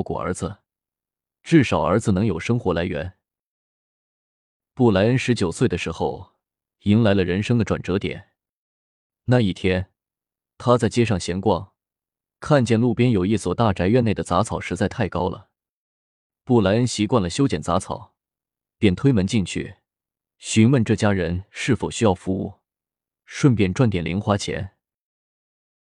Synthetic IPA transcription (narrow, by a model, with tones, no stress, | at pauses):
kwɔ̰˨˩ə̰˞˧˥d͡zɹ̩˧ | ʈ͡ʂɻ̩˥˩ʂɑ˨˩ʊə̰˞˧˥d͡zɹ̩˧nɤ˧˥ŋjo˨˩ʊʂɤ˥ŋxwɔ˧˥la˧˥ɪɥɛ̰˧˥n | pu˥˩la˧˥ɪə˥nʂɻ̩˧˥t͡ɕjo˨˩ʊswe˥˩ɪd̪ə˩ʂɻ̩˧˥xo˥˧ʊ | i˧˥nla˧˥ɪlə˧ɻə˧˥nʂɤ˥ŋd̪ə˨ʈ͡ʂwa̰˨˩nʈ͡ʂɤ˧˥t̪jɛ̰˨˩˦n | na˥˧˩i˥˩t̪ʰjɛ˥n | t̪ʰa˥t͡sa˥˩ɪt͡ɕjɛ˥ʂ̬ɑ˥˩ŋɕjɛ˧˥ŋkwɑ˥˩ŋ | kʰa˥˧nt͡ɕjɛ˥˧nlu˥˩pjɛ˥njo˨˩ʊi˥˩swɔ˨˩t̪a˥˩ʈ͡ʂa˧˥ɪɥɛ˥˧ne˥˩ɪd̪ə˩t͡sa˧˥t͡sʰɑ˨˩ʊʂɻ̩˧˥t͡sa˥˧ɪt̪ʰa˥˩ɪkɑ˥ʊlə̰˨˩ | pu˥˩la˧˥ɪə˥nɕi˧˥kwa˥˩nlə˩ɕjo˥ʊt͡ɕjɛ˨˩nt͡sa˧˥t͡sʰɑ̰˨˩˦ʊ | pjɛ˥˩nt̪ʰwe˥ɪmə˧˥nt͡ɕi˥˧ŋt͡ɕʰy̰˥˩ | ɕy˧˥nwə˥˧nʈ͡ʂɤ˥˩t͡ɕja˥ɻə˧˥nʂɻ̩˥˩fo˨˩ʊɕy˥jɑ˥˩ʊfu˧˥u˥˩ | ʂwə˥˧npjɛ˥˧˩nʈ͡ʂwa˥˩nt̪jɛ˨˩nlʔḭ˧˥ŋxwa˧˥t͡ɕʰjɛ̰˧˥n